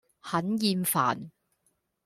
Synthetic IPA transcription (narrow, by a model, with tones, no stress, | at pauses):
hɐ˨˥njiː˧mfa̰ː˨˩n